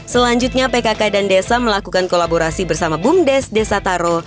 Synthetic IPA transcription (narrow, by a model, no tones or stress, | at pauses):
səlaɲd͡ʒut̪̚ɲapekakadandesaməlakukankolaboɾasibərsamabumdɛsdesat̪aɾo